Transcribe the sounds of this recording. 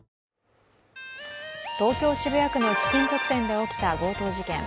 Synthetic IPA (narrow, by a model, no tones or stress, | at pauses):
t̪o̞ːkʲo̞ːɕibɯ̟jakɯ̟nokʲi̥k̪ʲĩnt͡so̞kɯ̟̥t̪ẽ̞nd̪e̞o̞kʲi̥t̪abo̞ːt̪o̞ːʑikẽ̞ŋ